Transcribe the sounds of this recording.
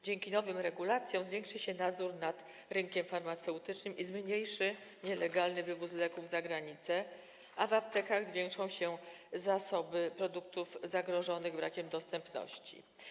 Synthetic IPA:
d͡ʑɛŋkʲinɔvɘmɾɛɡulat̪sʲjɔ̃w̃zvʲeŋkʂɘɕɛnad̪zuɾnat̪ | ɾɘŋkʲɛmfaɾmat̪sɛwt̪ɘt͡ʂnɘmʔizmɲejʂɘɲɛlɛɡalnɘvɘvuslɛkuvzaɡɾaɲit̪sɛ | avapt̪ɛkaɣzvʲjɛŋkʂɔ̃w̃ɕɛ | zasɔbɘpɾɔd̪uk̚t̪ufzaɡɾɔʐɔnɘɣbɾakʲɛmd̪ɔst̪ɛmpnɔ̰ɕt͡ɕḭ

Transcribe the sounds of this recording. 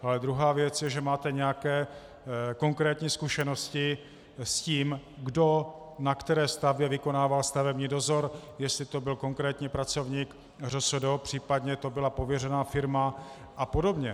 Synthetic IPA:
ʔalɛd̪ɾuɦaːvjɛt͡sjɛʒɛmaːt̪ɛɲɛjakɛː | ko̞ŋkɾɛːt̪ɲiːskuʃɛnoscɪ | sciːmɡdo̞ | nakt̪ɛɾɛːst̪avbjɛvɪko̞naːvalst̪avɛbɲiːdo̞zo̞ɾjɛst̪lɪt̪o̞bɪlko̞ŋkɾɛːt̪ɲipɾat͡so̞vɲiːk | rosodopr̝̥iːpad̪ɲɛt̪o̞bɪlapo̞vjɛrɛnaːfɪɾma | ʔapo̞do̞bɲɛ

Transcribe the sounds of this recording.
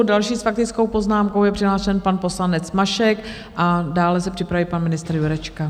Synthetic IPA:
dalʃiːsfak̚t̪ɪt͡skowpo̞znaːmkowjɛpr̝̥ɪɦlaːʃɛnpanpo̞slanɛt͡smaʃɛk | ʔadaːlɛsɛpr̝̥ɪpɾaviːpanmɪnɪst̪ɾjuɾɛt͡ʃka

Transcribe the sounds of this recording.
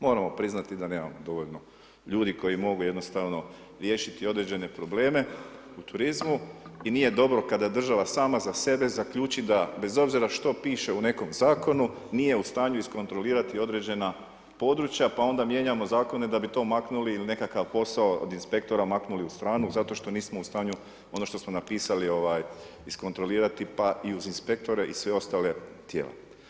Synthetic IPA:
mo̞ːɾamo̞pɾiznat̪id̪ane̞ːma̰mod̪o̞ʋo̞ʎno̞ | ʎuːd̪iko̞jimo̞ɡuje̞d̪nost̪aʋno̞ | ɾje̞ʃit̪io̞d̪ɾe̞d͡ʑe̞ne̞pɾo̞ble̞ːme̞ | ut̪uɾizmuinije̞d̪o̞bɾo̞kad̪ad̪r̩ʒaʋasaːmazase̞be̞zakʎuːt͡ʃid̪abe̞zo̞bziɾaʃt̪o̞piːʃe̞une̞ko̞mzaːko̞nu | nije̞ust̪aːɲuisko̞nt̪ɾo̞liːɾat̪io̞d̪ɾe̞d͡ʑe̞na | po̞d̪ɾut͡ʃjapao̞nd̪amje̞ɲamo̞zaːko̞ne̞d̪abit̪o̞ːmaknuliːline̞kakaʋpo̞saoo̰d̪inspe̞kt̪o̞ɾamaknuliust̪ɾaːnuzat̪o̞ʃt̪o̞niːsmo̞ust̪aːɲu | o̞no̞ʃt̪o̞smo̞napiːsalio̞ʋaːj | isko̞nt̪ɾo̞liːɾat̪ipaʔiuzinspe̞k̚t̪o̞ɾe̞ʔisʋe̞o̞st̪ale̞t̪je̞̰ːlḛ

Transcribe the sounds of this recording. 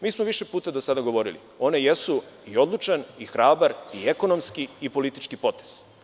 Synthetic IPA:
miːsmoʋiʃepuːt̪ad̪osad̪aɡo̞ʋo̞ɾḭlḭ | o̞ne̞jesu | io̞d̪lˠut͡ʃanixɾaːbaɾieko̞no̞mskiipo̞lit̪it͡ʃkipo̞t̪e̥z̥

